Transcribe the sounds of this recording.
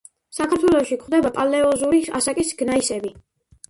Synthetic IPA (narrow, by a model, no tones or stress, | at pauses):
sakʰaɾt̪ʰwɛlɔʃikʰχwd̪ɛbapʼalɛɔzuɾia̰sakʼisɡ̥naisɛbi